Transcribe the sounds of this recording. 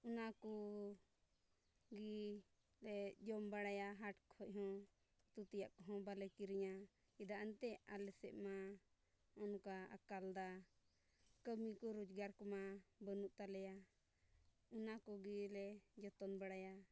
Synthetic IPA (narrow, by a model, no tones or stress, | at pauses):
unakɔ | ɡi | lɛd͡ʒɔmbaɽajaɦaʈkhɔʔ̚ˀɦɔ̃ | t̪ut̪ɛjaʔkɔɦɔ̃balɛkiɾiɲa | id̪aʔant̪ɛalɛsɛ̰ʔma | ɔnɔkaa̰kald̪a | kəmikɔɾud͡ʒɡaɾkɔmabənuʔt̪alɛja | unakɔɡilɛd͡ʒɔt̪ɔnbaɽaja